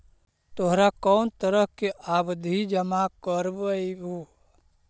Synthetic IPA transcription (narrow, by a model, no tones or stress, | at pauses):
t̪oɦɾakɔːnt̪əɾəɦkeʔabd̪ʱid͡ʒəmakəɾbəibu